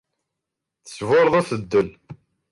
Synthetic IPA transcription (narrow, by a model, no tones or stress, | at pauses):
θə̥svʊɾˤðˤæθəd̪ːən